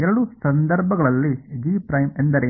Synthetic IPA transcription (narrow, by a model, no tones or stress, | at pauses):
ɛɾɐɽusɐnd̪ɐɾbʱɐɡɐɭɐlːid͡ʒiːpɾɐjmend̪ɐɾe